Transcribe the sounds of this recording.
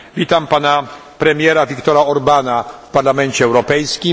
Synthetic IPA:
vʲit̪ampana | pɾɛmʲjɛɾavʲikt̪ɔɾaɔɾbanafpaɾlamɛnt͡ɕɛːwɾɔpɛjskʲim

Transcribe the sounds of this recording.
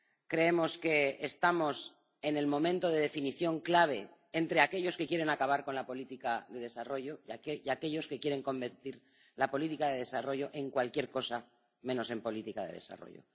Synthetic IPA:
kɾe̞e̞mo̞ske̞est̪amo̞s | e̞ne̞lmõ̞mẽnt̪o̞ð̞e̞ð̞e̞finiθjo̞ŋklaβ̞e̞ː | nt̪ɾe̞ake̞ʎo̞ske̞kje̞ɾe̞nakaβ̞aɾko̞nlapo̞lit̪ikaðe̞ðe̞saro̞ʝo̞aakeʎo̞ske̞kje̞ɾe̞ŋko̞mbe̞ɾt̪iɾ | lapo̞lit̪ikaðeðe̞saro̞ʝo̞ʔe̞ŋkwalkjeɾko̞sa | mẽ̞no̞se̞mpo̞lit̪ikaðe̞̰ðe̞̰sa̰ro̞̰jo̰

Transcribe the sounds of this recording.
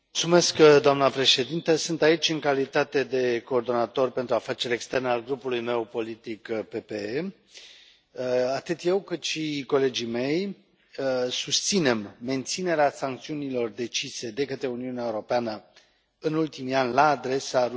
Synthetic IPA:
mult̪sume̞skd̪oamnəpɾe̞ʃe̞d̪int̪əsɨnt̪ait͡ʃʲɨŋkalit̪at̪e̞d̪e̞ko̞ːrd̪o̞nat̪o̞rpe̞nt̪ɾuafat͡ʃe̞ɾe̞kst̪e̞rnalɡɾupulujme̞wpo̞lit̪ikpe̞pee | at̪ɨt̪je̞wkɨt̪ʃiko̞le̞d͡ʒime̞j | sust̪sine̞mːe̞nt̪sine̞ɾeasaŋk̚t̪siunilo̞rd̪e̞t͡ʃise̞d̪e̞kət̪ɾe̞uniuneaeuɾo̞peanə | ɨnult̪imianʲlaːd̪ɾe̞sa

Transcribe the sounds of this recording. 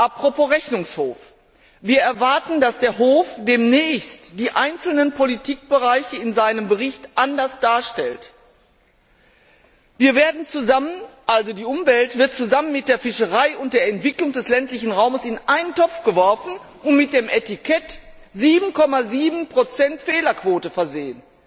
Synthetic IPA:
ʔapʁ̥opʰoːʁɛçnʊŋshoːf | viːɐɛɐvaɐtn̩dasd̥eːɐɦoːfd̥eːmnɛːçstd̥iːʔaɪnt͡sl̩nənpʰolitʰiːk̚b̥əʁaɪçəɪnzaɪnəmbəʁɪçtʔandɐsd̥aːɐʃtɛlt | viːɐveːɐdn̩t͡suzamənʔalzodiːʔʊmvɛltv̥ɪɐt̚t͡suzamənmɪt̚d̥eːɐfɪʃəʁaɪʊnt̚d̥eːɐɛntv̥ɪklʊŋd̥ɛslɛntlɪçn̩ʁaʊməsɪnʔaɪnəntʰɔp͡fɡ̥əvɔɐfn̩ | ʊntmɪt̚d̥eːmʔetɪkʰɛt | ziːbm̩kʰɔmaziːbm̩pʁ̥ot͡sɛntfeːlɐkv̥oːtəfɛɐzeːən

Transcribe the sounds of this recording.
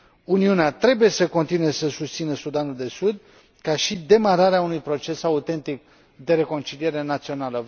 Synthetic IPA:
uniuneat̪ɾe̞buje̞səko̞nt̪inuesəsust̪sinəsud̪anuld̪e̞sud̪ | kaʃid̪e̞maɾaɾeaunujpɾo̞t͡ʃe̞saut̪e̞nt̪ik | d̪e̞ɾe̞ko̞nt͡ʃilije̞ɾe̞nat̪sio̞nalə

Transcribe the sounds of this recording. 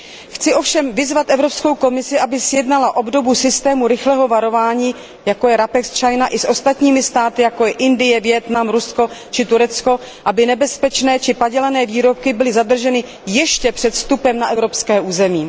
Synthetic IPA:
xt͡sɪʔo̞fʃɛmvɪzvat̪ʔɛvɾo̞psko̞wko̞mɪsɪʔabɪsjɛdnalaʔo̞bdo̞busɪst̪ɛːmuɾɪxlɛɦo̞vaɾo̞vaːɲiː | jako̞jɛɾapɛkst͡ʃajnaʔɪsʔo̞st̪at̪ɲiːmɪst̪aːt̪ɪjako̞jɛʔɪndɪjɛvjɛt̪namɾusko̞t͡ʃɪt̪uɾɛt͡sko̞ | ʔabɪnɛbɛspɛt͡ʃnɛːt͡ʃɪpaɟɛlanɛːviːɾo̞p̚kɪbɪlɪzadr̩ʒɛnɪ | jɛʃcɛpr̥ɛt̪st̪upɛmnaʔɛvɾo̞pskɛːuːzɛmiː

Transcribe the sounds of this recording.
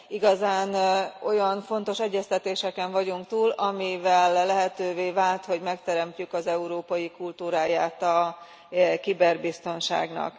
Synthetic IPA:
iɡɒzaːno̞jɒnfo̞nt̪o̞ʃɛɟːɛst̪ɛt̪eːʃɛkɛɱvɒɟuŋkt̪uːlɒmivɛlːɛɦɛt̪øːveːvaːlt̪ho̞ɟmɛkt̪ɛɾɛmcykɒzɛuɾoːpɒjikult̪uːɾaːjaːt̪ɒ | kibɛrbist̪o̞nʃa̰ːɡnɒ̰k

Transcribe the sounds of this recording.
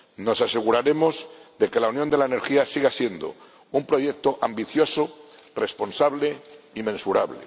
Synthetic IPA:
no̞sase̞ɣuɾaɾe̞mo̞zðe̞ke̞launjõnd̪e̞laene̞ɾxiasiɣasje̞nd̪o̰ | umpɾo̞ʝek̚t̪oʔambiθjo̞so | respo̞nsaβ̞le | imẽ̞nsuɾaβlḛ

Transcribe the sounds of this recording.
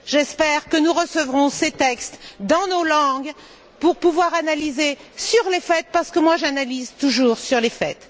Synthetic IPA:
ʒɛspɛʁkənuʁəsəvʁɔ̃set̪ɛkst̪d̪ɑ̃nolɑ̃ɡ | puʁpuvwaʁanalizesyʁlefɛt̪̚paʁsə̥kəmwaʒanalizt̪uʒuːʁsyʁlefɛt̪

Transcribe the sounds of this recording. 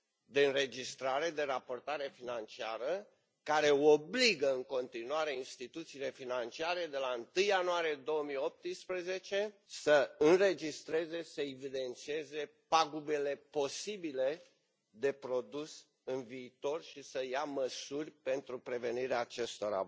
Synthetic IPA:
d̪e̞ɨnɾe̞d͡ʒist̪ɾaɾe̞d̪e̞ɾapo̞rt̪aɾe̞finant͡ʃiaɾə | kaɾe̞obliɡəɨŋko̞nt̪inuaɾe̞inst̪it̪ut̪siːle̞finant͡ʃiaɾe̞d̪e̞laɨnt̪ɨjːanuaɾije̞d̪o̞wəmijo̞p̚t̪ɨspɾəze̞t͡ʃe̞səɨnre̞d͡ʒist̪ɾe̞ze̞səevid̪e̞nt̪sie̞ze̞paɡube̞le̞po̞sibile̞ | d̪e̞pɾo̞d̪us | ɨnviːt̪o̞rʃisəjaməsurʲpe̞nt̪ɾupɾe̞ve̞niɾeaːt͡ʃe̞st̪o̞ɾa̰

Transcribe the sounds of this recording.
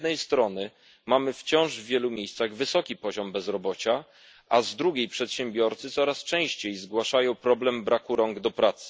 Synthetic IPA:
d̪nɛjst̪ɾɔnɘ | mamɘft͡ɕɔ̃w̃ʐvːʲjɛlumʲjejst̪saɣvɘsɔkʲipɔʑɔmbɛzɾɔbɔt͡ɕa | ʔazd̪ɾuɡʲejpʂɛt̪ɕɛmbʲjɔɾt̪sɘt̪sɔɾast͡ʂɛ̃w̃ɕt͡ɕejzɡwaʂajɔ̃w̃pɾɔblɛmbɾʔakuɾɔŋɡd̪ɔpɾat̪sɘ̥

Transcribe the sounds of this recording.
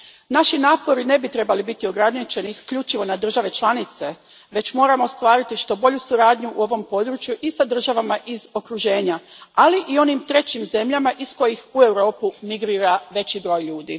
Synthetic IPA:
naʃinaːpo̞ɾine̞bit̪ɾe̞balibit̪io̞ɡɾanit͡ʃe̞niːskʎut͡ʃiʋo̞nad̪r̩ʒaʋe̞t͡ʃlˠanit̪se̞ | ʋe̞t͡ɕmo̞ːɾamost̪ʋaːɾit̪iʃt̪o̞bo̞ʎusuɾaːd̪ɲuʔuo̞ʋo̞mpo̞d̪ɾut͡ʃjuʔisad̪r̩ʒaʋamaʔizo̞kɾuʒe̞ːɲaaliʔio̞nimt̪ɾe̞t͡ɕimze̞mʎamaʔisko̞jixue̞wɾo̞ːpumiɡɾiːɾaʋe̞t͡ɕibɾo̞ːjʎuːd̪ḭ

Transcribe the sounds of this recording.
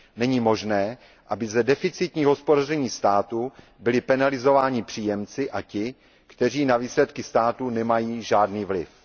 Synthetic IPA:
nɛɲiːmo̞ʒnɛː | ʔabɪzɛdɛfɪt͡sɪt̪ɲiːɦospodarɛɲiːst̪aːt̪u | bɪlɪpɛnalɪzo̞vaːɲɪpr̥iːjɛmt͡sɪʔacɪ | kt̪ɛr̝iːnaviːslɛt̪kɪst̪aːt̪unɛmajiːʒaːdniːvlɪ̰f

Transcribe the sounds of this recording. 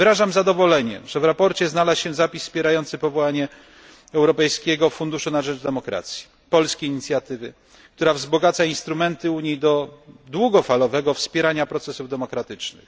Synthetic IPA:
vɘɾaʐamzad̪ɔvɔlɛɲɛ̰ʐ̥ɛvɾapɔɾt͡ɕɛznalasɕɛzapʲisːpʲjɛɾajɔnt̪sɘpɔvɔwaɲɛ | ɛwɾɔpɛjskʲeɡɔfund̪uʂunaʐɛd͡ʐd̪ɛmɔkɾa̰t̪sʲji̥ | pɔlskʲeiɲit̪sʲjat̪ɘvɘ | kkt̪uɾavzbɔɡat̪sainst̪ɾumɛnt̪ɘuɲid̪ɔd̪wuɡɔfalɔvɛɡɔfspʲjɛɾaɲapɾɔt̪sɛsuvd̪ɛmɔkɾat̪ɘt͡ʂnɘ̰x

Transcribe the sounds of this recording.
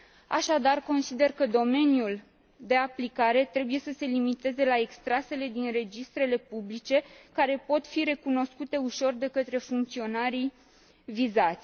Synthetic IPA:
a̰ʃad̪arko̞nsid̪e̞rkəd̪o̞me̞njul | d̪e̞aplikaɾe̞t̪ɾe̞buje̞səse̞limit̪e̞ze̞lae̞kst̪ɾase̞le̞d̪inre̞d͡ʒist̪ɾe̞le̞publit͡ʃe̞kaɾe̞po̞t̪fiɾe̞kuno̞skut̪e̞uʃo̞rd̪e̞kət̪ɾe̞fuŋk̚t̪sio̞naɾi | vizat̪sʲ

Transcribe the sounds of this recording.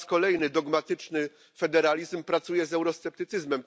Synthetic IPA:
skɔlɛjnɘd̪ɔɡmat̪ɘt͡ʂnɘ | fɛd̪ɛɾalʲizmpɾat̪sujɛzɛwɾɔst̪sɛp̚t̪ɘt̪sɘzmɛm

